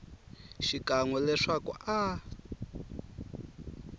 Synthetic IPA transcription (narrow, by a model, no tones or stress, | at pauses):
ʃikaŋwɔlɛʂakṵʔa